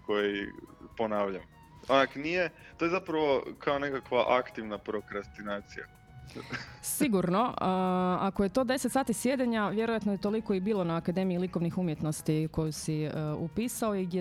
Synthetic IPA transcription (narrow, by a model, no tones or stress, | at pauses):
ko̞jiponaːʋʎam | onaknije | t̪ojeapɾaʋo̞kʰaonekakʋaʔakt̪iʋnapɾokɾast̪inaːt̪sija̰ | siɡuɾno̞əakojet̪o̞ːd̪e̞set̪saːt̪isje̞d̪eɲaʋje̞ɾojat̪nojet̪o̞likoibiːlˠo̞naːkad̪e̞miiliko̞ʋnixumjet̪no̞st̪iko̞jusiupiːsao̞iɡje